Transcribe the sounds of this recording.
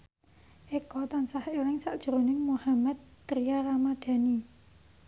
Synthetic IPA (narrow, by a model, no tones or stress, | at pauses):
ʔekɔt̪ansahelɪŋsaʔd̥ʒ̥əɾonɪŋmuhamad̪̚t̪ɾijaɾamad̪̥a̤ni